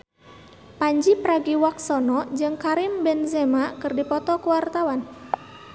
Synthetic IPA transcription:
paɲd͡ʒipəɾaɡiwak̚sɔnɔd͡ʒɨŋkaɾimbɛnzɛmakɨrdipɔt̪ɔkuwart̪awan

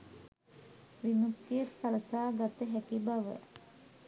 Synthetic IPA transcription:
ʋinukt̪ijərsaləsaːɡat̪əɦækibaʋə̰

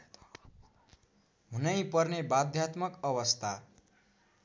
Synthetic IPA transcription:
ɦunʌjpʌrnebad̪ʱjat̪mʌkʌβʌst̪ʰa

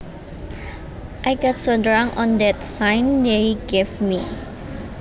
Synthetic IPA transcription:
ʔajɡɔtsodɹãŋɔ̃ndɛtsãjndejɡevmi

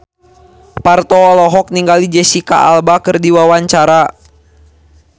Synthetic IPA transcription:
part̪ɔːlɔɦɔk̚niŋɡalid͡ʒɛsika̰ʔalbakɨrdiwawaɲt͡ʃaɾa

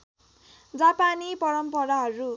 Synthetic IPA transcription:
d͡zapanipʌɾʌmpʌɾaɦʌɾu

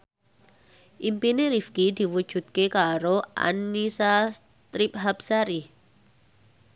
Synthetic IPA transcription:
ʔimpineɾifkid̪i̤wud̥ʒ̥ṳt̪̚kekaɾoʔa̰nːisas | t̪ɾip̚ɦapsaɾi

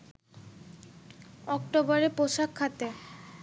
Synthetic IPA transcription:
ɔkʈobɔɾepoʃakʰːat̪e

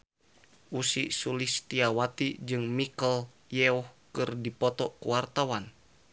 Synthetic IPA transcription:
ʔusḭʔsulist̪iawat̪id͡ʒɨŋmikəl | jɛɔhkɨrdipɔt̪ɔkuwart̪awan

